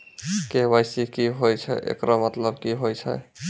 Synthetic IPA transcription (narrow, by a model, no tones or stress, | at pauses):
kebajsikiɦojt͡ʃʰɛ̰ʔḛkɾɔmət̪ləbkiɦojt͡ʃʰɛ̰